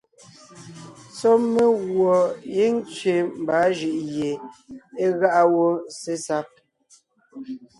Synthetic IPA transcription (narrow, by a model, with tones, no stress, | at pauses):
t͡sɔ˦me˦ɣwɔ˨je˦n˦t͡ʃɥe˨m̩˨ba˨˦ʒi˦˨ʔje˨e˦ɣa˦ʔa˦wo˦se˦sa˦p̚